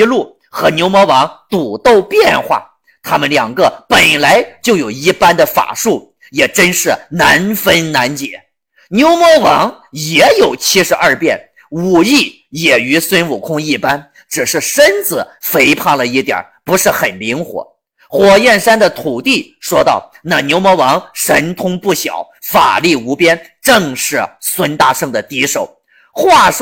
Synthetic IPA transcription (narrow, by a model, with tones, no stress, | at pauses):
lu˥˩ | xɤ˧˥njo˧˥ʊmwɔ˧˥wɑ˧˥ŋt̪u˨˩t̪o˥˧ʊpjɛ˥˧nxwa̰˥˩ | t̪ʰa˥mə˨nljɑ˨˩ŋɡə˧pə˨˩nla˧˥ɪt͡ɕjo˥˩ʊjo˨˩ʊi˥˧pa˥nd̪ə˨fa̰˨˩ʂu˥˩ | jɛ˨˩ʈ͡ʂə˥nʂɻ̩˥˩na˧˥nfə˥nna˧˥nt͡ɕjɛ̰˨˩˦ | njo˧˥ʊmwɔ˧˥wɑ˧˥ŋjɛ˧˥jo˨˩ʊt͡ɕʰi˥ʂɻ̩˧˥ʔɐ˞˥˧pjɛ̰˥˩n | u˨˩i˥˩ | jɛ˨˩y˧˥swə˥nu˨˩kʰʊ˥ŋi˥˩pa˥n | ʈ͡ʂɻ̩˨˩ʂɻ̩˥˩ʂə˥nt͡sɹ̩˨˧˩fe˧˥ɪpʰɑ˥˩ŋlə˩i˥˩t̪ja̰˨˩˦pu˧˥ʂɻ̩˥˩xə˨˩nli˧˥ŋxwɔ̰˧˥˦ | xwɔ˨˩jɛ˥˩nʂa˥nd̪ə˨t̪ʰu˨˩t̪i˥˩ | ʂwɔ˥t̪ɑ˥˩ʊ | na˥˩njo˧˥ʊmwɔ˧˥wɑ˧˥ŋʂə˧˥nt̪ʰʊ˥ŋpu˥˩ɕjɑ̰˨˩˦ʊfa̰˨˩li˥˩u˧˥pjɛ˥n | ʈ͡ʂɤ˥˧ŋʂɻ̩˥˩swə˥nt̪a˥˧ʂɤ˥˩ŋd̪ə˩t̪i˧˥ʂo˨˩ʊ | xwa˥˩ʂ